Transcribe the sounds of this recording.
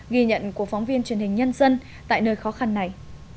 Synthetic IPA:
ɣi˧ɲə̰˧˨nku˧˩əkfɔ˨˦ŋ͡mvi˧ənt͡ɕwi˨˩ənhï˨˩ŋ̟ɲə˧nzə˧n | t̪a̰ː˧˨jnəː˧jxɔ˨˦xa˧nːa˨˩j

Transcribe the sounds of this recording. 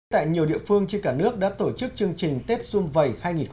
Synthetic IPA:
t̪a̰ː˧˨jɲi˨˩əwɗḭ˧˨əfɨ˧əŋt͡ɕe˧nkaː˧˩nɨ˦˥ək̚ɗa̰ː˧˥t̪o˧˩t͡ɕɨ˦˥k̚t͡ɕɨ˧əŋt͡ɕï˨˩ŋ̟t̪e˦˥t̚zʊ˧mvə˨˩jhaː˧jŋi˨˩nx

